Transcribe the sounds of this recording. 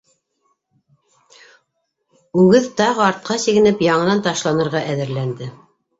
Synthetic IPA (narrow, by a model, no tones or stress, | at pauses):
ʉɡɘðt̪ɑʁɤɑɾt̪̚qʰɑsiɣɘ̆nɘpjɑɴɤ̆nɑnt̪ɑʃlˠɑnɤ̆ɾʁɑʔæðɘ̆ɾlænd̪ɘ